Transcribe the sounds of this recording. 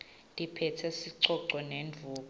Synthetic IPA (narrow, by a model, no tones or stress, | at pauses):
dʼʱipʰɛtʰɛsiǀɔǀɔnenvʱuːkɔ